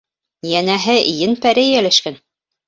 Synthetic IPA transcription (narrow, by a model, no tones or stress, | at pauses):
jænæɦɘʔijɘnpæɾæjjælæʃkæn